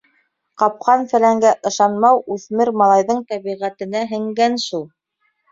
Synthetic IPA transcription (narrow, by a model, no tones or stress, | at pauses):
qɑp̚qɑnsæ̆læŋɡæʔɤ̆ʃɑnmɑwʉθmɘɾmɑlˠɑjðɤɴt̪æβiʁæt̪ɘ̆næɦɘ̆ŋɡænʃulˠ